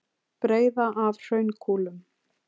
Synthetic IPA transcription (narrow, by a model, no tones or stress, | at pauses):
pɾeːjðaʔavr̥œɥnkʰuːlʏm